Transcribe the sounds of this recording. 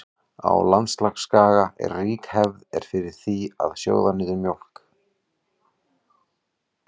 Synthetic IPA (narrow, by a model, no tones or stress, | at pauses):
a̰wlanst̪laxskaːɣaʔɛ̰ɾriːkhɛvðɛɾ̥fɪɾɪɾ̥θia̰ðsjo̰ːwðanɪːðɪɾmjowl̥k